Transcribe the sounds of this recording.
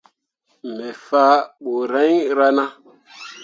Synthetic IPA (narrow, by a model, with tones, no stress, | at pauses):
mɛ˨fa˦ɓo˨ɾa˦jɾa˦na˦